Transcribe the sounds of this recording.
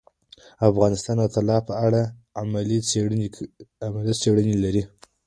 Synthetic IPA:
afɣɑnɪst̪ɑnd̪ət̪alɑpəaɽaamali | amalit͡seɽənelaɾi

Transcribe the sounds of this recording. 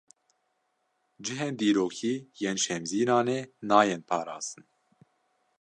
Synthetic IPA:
d͡ʒɨɦeːnd̪iːɾoːkʰiːjeːnʃɛmziːɾɑːneːnɑːjenpʰɑːɾɑ̰ːz̥t̪ɨn

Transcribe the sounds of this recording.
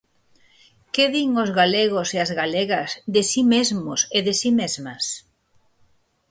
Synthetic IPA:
keðiŋozɣaleɣoseazɣaleɣɐzðesimezmoseðesimezmɐs

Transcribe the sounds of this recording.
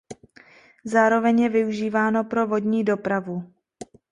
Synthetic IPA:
zaːɾo̞vɛɲjɛvɪuʒiːvaːno̞pɾo̞vo̞dɲiːdo̞pɾavu

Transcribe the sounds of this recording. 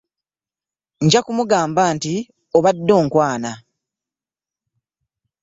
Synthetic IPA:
ɲɟakumuɡaːmbaːnti | oβadːo̞ːŋkwaːna

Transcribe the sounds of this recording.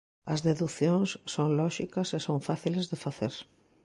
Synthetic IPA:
ɐzðeðuθjõŋsːoŋlɔʃikɐsesoɱfaθilezðefaθeɾ

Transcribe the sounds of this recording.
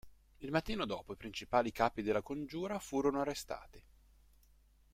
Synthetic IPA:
ilmat̪ːiːnod̪ɔːpoipɾint͡ʃipaːlikaːpid̪elːakond͡ʒuːɾafuːɾonoarːest̪a̰ːt̪i

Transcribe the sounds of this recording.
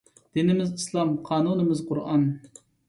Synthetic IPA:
d̪̥inɪmɪzislˠɑmqʰɑːnunɨmɨzqʰʊɾʔɑn

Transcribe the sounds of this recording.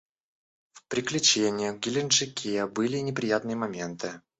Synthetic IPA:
fpɾʲɪklʲʉt͡ɕenʲɪjəɡʲɪlʲɪnʂɨkʲʰebɨlʲɪnʲɪpɾʲɪjat̪nɨjəmɐmʲe̞nt̪ɨ

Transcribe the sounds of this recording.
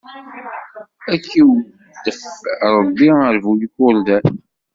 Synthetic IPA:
ækːiw | d̪əfɾˤəbːiəɾvujkːʊɾd̪æn

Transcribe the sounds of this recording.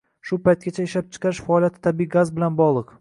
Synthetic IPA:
ʃʊpajt̪̚ɡʲat͡ʃʰaɪʃlap̚t͡ʃʰɨ̥qʰɑɾɪʃfaɒlˠjat̪ʰɪ̥t̪ʰabiɡazbɪlanbɒʁlˠɨq

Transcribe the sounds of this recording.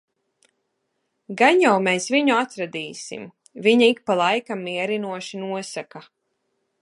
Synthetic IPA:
ɡaɲjawmeːsviɲuat̪ɾad̪iːsḭm | viɲaikpalˠajkamːiɛɾinuɔʃinuɔsaka

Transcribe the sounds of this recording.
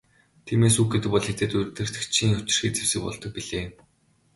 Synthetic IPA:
t̪ʰiːmeːsuːxɡet̪ɘ̆k̚pɔɮxet͡s̪eːt̪ʊjrt̪ɘ̆r̥t̪̆kt͡ɕʰiːŋʊt͡ɕɪ̆rxiːkt͡sewsɘ̆k̚pɔ̰ɮt̪ɞ̆k̚piɮeːm

